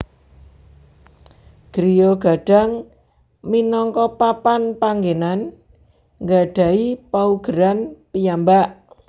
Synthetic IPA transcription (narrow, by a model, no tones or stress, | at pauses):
ɡ̥ɾijoɡ̥a̤ɖ̥a̤ŋ | minɔŋkɔpapanpaŋɡenan | ŋɡaɖ̥ä̤ipauɡ̥əɾanpijambaʔ